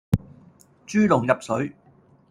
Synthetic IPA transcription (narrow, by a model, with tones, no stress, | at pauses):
t͡ʃyː˥lʊ˨˩ŋjɐ˨p̚sɵ˨˥ɥ